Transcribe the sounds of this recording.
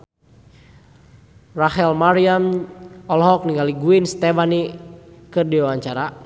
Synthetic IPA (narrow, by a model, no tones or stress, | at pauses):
rahɛlmaɾiamɔlɦɔk̚niŋɡaliɡuinst̪ɛfanikədiawaɲt͡ʃaɾa